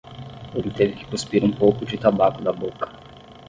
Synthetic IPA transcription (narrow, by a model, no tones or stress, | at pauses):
emɪt̪evɪkɪ̥kuspiɾũpowkʊd͡ʒɪt̪abakʊd̪ɐbokɐ̥